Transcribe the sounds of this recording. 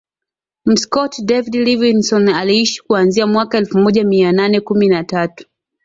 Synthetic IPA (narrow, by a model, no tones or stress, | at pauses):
m̩skɔtdɛvidlivinsɔnaliiʃi̥kuanziamwakaɛlfumɔʄamiananɛkuminatatu̥